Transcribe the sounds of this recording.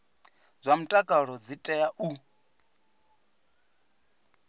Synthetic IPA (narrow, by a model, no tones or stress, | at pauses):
d͡zʷamutʼakʼaɺɔd͡zitʼɛjaʔu